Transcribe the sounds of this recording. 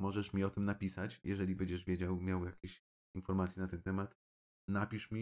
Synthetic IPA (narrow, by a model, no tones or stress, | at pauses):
mɔʐɛʂmʲiɔt̪ɘmnapʲisat͡ɕjɛʐɛlʲibɛɲd͡ʑɛʐvʲjed͡ʑawmʲjawjakʲeɕ | infɔɾmat̪sʲjɛnat̪ɛnt̪ɛmat̪ | napʲiʂmʲi